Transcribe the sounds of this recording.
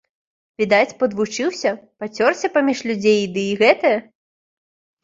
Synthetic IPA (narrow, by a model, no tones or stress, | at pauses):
vʲid̪at͡sʲpɐd̪vut͡ʂɨwsʲɐpat͡sʲɔrsʲɐpamʲiʂlʲud͡zʲejd̪ɨːɣɛt̪ɐjɐ